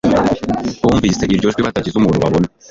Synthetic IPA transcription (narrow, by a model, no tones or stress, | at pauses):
kuːɱviːseʔiɾɟo̞ʒɡwiβatacizumuːnuβaβona